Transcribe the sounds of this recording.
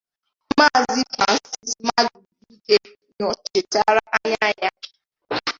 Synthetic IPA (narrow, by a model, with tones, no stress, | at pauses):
ma˦˨zi˦fa˨n̩˦si˦sma˦ɡu˨bu˦de˦ | ɲɔ˨t͡ʃe˨ta˦ɾa˦ʔa˦ɲa˦ɲa˦